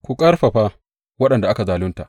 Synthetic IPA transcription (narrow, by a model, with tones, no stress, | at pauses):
kʷu˨kʼɐ˦rɸa˨ɸaː˦ | wɐ˦ɗɐ˨nda˨ʔa˦ka˨zaː˨lʊ˦nta˨ʔ